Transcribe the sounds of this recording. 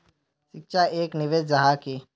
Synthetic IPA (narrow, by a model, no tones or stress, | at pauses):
ʃɪkʃaeːknɪʋeːd͡ʒd͡ʒɐɦaːkiː